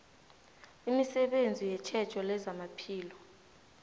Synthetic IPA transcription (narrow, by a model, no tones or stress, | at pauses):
imisɛɓend͡zʱijɛt͡ʃʰɛd̥ʒ̥ʰʼʱɔlɛzamapʰiːlɔ